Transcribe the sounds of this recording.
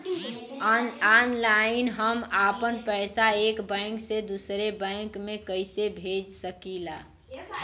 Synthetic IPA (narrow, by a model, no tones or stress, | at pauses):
anlaɪnɦəmaːpənpɛːɪsaeːkbɛ̃ːŋksed̪usɾebɛ̃ːŋkmẽkəɪsebʱeːd͡ʒsəkilaː